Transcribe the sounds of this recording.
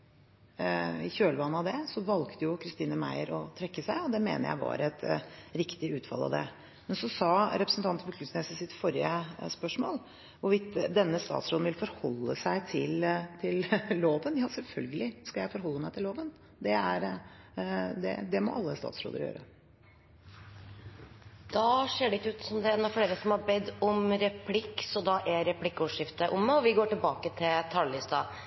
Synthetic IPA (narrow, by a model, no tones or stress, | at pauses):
ɪçøːlʋɑːnɑd̪ɛsɔʋɑlkt̪əjʊkʰɾɪst̪iːnəmæ̰ɪəɾɔt̪ʰɾɛkːəsæɪɔd̪ɛmḛːnə̰ɾjæ̰ɪʋɑ̰ɾɛt̪ɾɪkt̪ɪʉːt̪fɑ̰lɑ̰ʋd̪ɛ̰ | mɛnsɔsɑɾɛpɾəsənt̪ɑnt̪əpɔkʰlʉsneːsəsɪt̪fɔɾɪəspœʂmo̰ːl | ʋʊɾʋɪt̪d̪ɛnːəst̪ɑ̰ːt̪sɾoːdn̩ʋɪlfɔɾhɔlːəsæɪt̪ʰɪlt̪ʰɪlloːʋənjɑːsɛlfœlɡəlɪskɑjæɪfɔɾɦɔlːəmæɪt̪ʰɪlːoːʋən | d̪ɛæɾ | d̪ɛ̰d̪ɛmɔ̰ʔɑlːəst̪ɑ̰ːt̪sɾo̰ːd̪əɾjø̰ːɾə | d̪̥ɑseːɖɛɪçːəʉːt̪sɔmd̪ɛɛːnɑfleːɾəsɔmhɑbɛd̪ːɔmɾɛpʰlɪkːsɔd̪ɑʔɛɾɛpʰlɪkːuːʂɪft̪əʔʊmːɛɔʋɪɡoːʈɪlbɑːkət̪ʰɪlt̪ʰɑlːɪst̪ɑ̰